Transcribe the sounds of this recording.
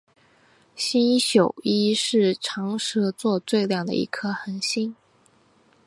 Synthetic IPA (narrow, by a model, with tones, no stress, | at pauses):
ɕi˥nɕjo˨˩ʊi˥ʂɻ̩˥˩ʈ͡ʂʰɑ˧˥ŋʂɤ˥t͡swɔ˥˧t͡swe˥˧ɪljɑ˥˩ŋd̪ə̰˨˩ḭ˧˥kʰɤ˥xə˧˥nɕi˥n